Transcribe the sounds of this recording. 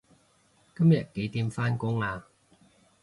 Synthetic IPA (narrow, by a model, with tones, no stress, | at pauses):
kɐ˥mjɐ˨˩t̚ke˨˥jt̪iː˧mfaː˥nkʊ˥ŋaː˧